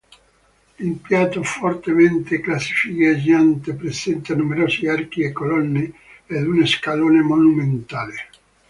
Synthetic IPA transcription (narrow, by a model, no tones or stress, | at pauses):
impjat̪ofort̪ement̪eklasːi̥fikad͡ʒant̪epɾesɛnt̪anumeɾoːsiark̟iekːolɔnːe | ad̪uneskaloːnemonument̪aːle